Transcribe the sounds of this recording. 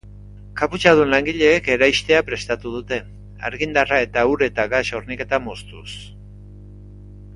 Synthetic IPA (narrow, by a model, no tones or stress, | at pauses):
kaput͡ʃað̞unlaŋɡiʎe̞ːke̞ɾajst̪e̞apɾe̞st̪at̪uðut̪e̞ | a̰ɾɣind̪arae̞t̪auɾe̞t̪aɣaʃo̞ɾnike̞t̪amost̪us